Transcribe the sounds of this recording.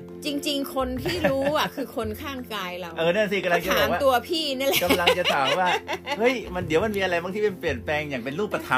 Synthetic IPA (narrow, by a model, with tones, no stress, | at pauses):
t͡ɕi˧ŋt͡ɕi˧ŋkʰo˧nt̪ʰiː˥˩ɾuː˦˥˧ʔa˨˩kʰɯː˧kʰo˧nkʰaː˥˩ŋkaː˧jla˧wʔɤː˨˧nɯ˥˩˨si˧˩ka˧la˧ŋtt͡ɕa˨˩bɔː˨˩˦kwaː˥t̪u˧ɐpʰiː˥˩na˥˩lɛ˨˧ka˧mla˧ŋ˩t͡ɕa˨aː˨˩˦mwaː˥˩hɤ˦˥˩jma˧ndi˩˦wma˧nmiː˧ʔa˧ɾa˧jma˧˥ŋt̪i˥˩pe˧npli˨˩ət̚plɛː˧ŋjaː˨˩ŋpe˧nɾuː˥˩pːɾa˧t̪ʰa˦